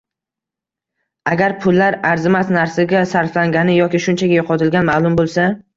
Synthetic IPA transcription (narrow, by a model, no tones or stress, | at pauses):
aɡʲaɾpʰʊlːaɾaɾzɪmat̪naɾsɪɡʲasaɾflaŋɡʲanɪjɒkʲɪʃʊnt͡ʃʰaɡʲajoqʰɒt̪ʰɪlɡʲanmalˠʊmbolˠsa